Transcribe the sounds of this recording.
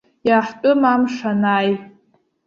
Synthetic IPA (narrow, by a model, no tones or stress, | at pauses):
jaːħtʼʊmamʂanaj